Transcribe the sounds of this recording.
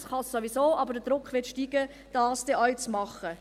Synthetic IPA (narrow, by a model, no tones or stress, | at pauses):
sχɑsːoʋisoːʔɑbəd̥əd̥ɾʊkχʋɪtʃtiːɡə | d̥ɑːsd̥ɛʔɔʏt͡smɑχə